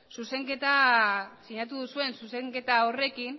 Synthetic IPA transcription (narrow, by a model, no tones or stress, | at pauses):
suse̞ŋke̞t̪asiɲat̪uðusue̞nsuse̞ŋke̞t̪ao̞re̞kin